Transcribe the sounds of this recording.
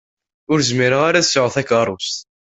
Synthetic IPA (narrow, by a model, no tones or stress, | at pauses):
ʊɾzmiɾəʁaɾæθsʕəθækːərˤːʊst̪